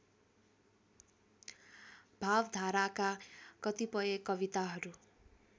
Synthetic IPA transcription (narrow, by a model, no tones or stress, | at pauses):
bʱabd̪ʱaɾakakʌt̪ipʌjekʌbit̪aɦʌɾu